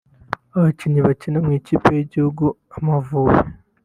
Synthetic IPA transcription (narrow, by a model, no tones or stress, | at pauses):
aβaciɲiβacinamŋiːciːpejiɟihuɡu | amavuːwe